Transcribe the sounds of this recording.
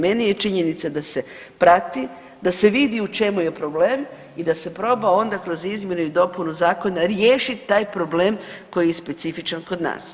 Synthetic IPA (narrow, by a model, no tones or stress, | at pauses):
me̞nije̞t͡ʃiɲe̞nit̪sad̪ase̞ | pɾat̪i | d̪ase̞ʋid̪iut͡ʃe̞muje̞pɾo̞ble̞ːm | id̪ase̞pɾo̞bao̞nd̪akɾo̞zizmjenuid̪o̞punuzaːko̞naɾjeːʃit̪ːaːjpɾo̞bleːmko̞jijespe̞t̪sifit͡ʃanko̞d̪na̰ːs